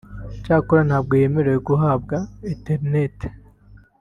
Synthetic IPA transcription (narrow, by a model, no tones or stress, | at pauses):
t͡ʃaːkuɾanhaːb̚ɡojemiɾeɡuɦaːb̚ɡaiteɾnet